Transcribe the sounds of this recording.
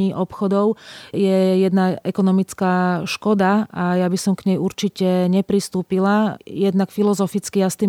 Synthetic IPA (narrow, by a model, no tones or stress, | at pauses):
iʔɔpxɔd̪ɔʊjɛjɛd̪naʔɛkɔnɔmit͡skaːʃkɔd̪aajabisɔmkɲɛjuɾt͡ʃicɛɲɛpɾist̪uːpilajɛd̪nakfilɔzɔfit͡skiast̪i